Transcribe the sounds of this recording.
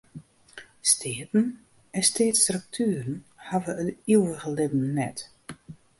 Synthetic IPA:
stʰeːtn̩ | ɛnsteːtstrɵk̚tʰyərən̩havəətiwəɣəlɪbn̩nɛt

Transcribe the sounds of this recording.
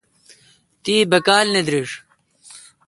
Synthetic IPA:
t̪iːbɐkaːlned̪ɾiʂ

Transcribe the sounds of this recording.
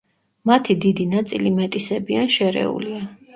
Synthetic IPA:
mat̪ʰid̪id̪inat̪sʼilimɛt̪ʼisɛbianʃɛɾɛ̰ṵlia

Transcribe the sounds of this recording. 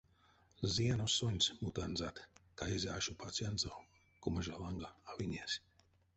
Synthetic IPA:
ziɛnusuɲʲsʲmut̪anzat̪kaizʲaːʃupʰat̪sʲiand̪zaw | kumaʒalˠaŋɡaavinʲiɛsʲ

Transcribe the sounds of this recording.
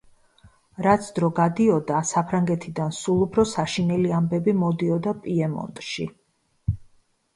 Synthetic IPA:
ɾat̪sʰd̪ɾɔɡad̪iɔd̪asapʰɾaŋɡɛt̪ʰid̪ansulˠupʰɾɔsaʃinɛliambɛbimɔd̪iɔd̪apʼiɛmɔ̰nt̪ʼʃḭ

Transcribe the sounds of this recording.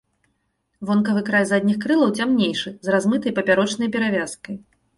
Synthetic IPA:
vɔnkɐvɨkɾajzad̪ʲnʲixkɾɨlˠɐwt͡sʲamnʲejʂɨzrazmɨt̪ɐjpɐpʲaɾɔt͡ʂn̪ɐjpʲɛɾavʲaskɐj

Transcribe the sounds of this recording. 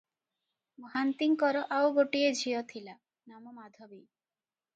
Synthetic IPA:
mɔɦant̪iŋkɔɾɔʔawɡoʈied͡ʒʱijɔt̪ʰila | namɔmad̪ʱɔbi

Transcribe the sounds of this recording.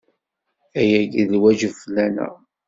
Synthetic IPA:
æjæɡðlwæʒəflːænæ̰

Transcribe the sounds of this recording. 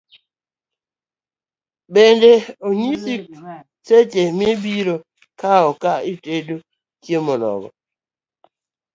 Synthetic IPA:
bendeoɲisik̚ | set͡ʃemebiɾo | kaokaitedo | kjemɔnɔ̰ɡɔ̰

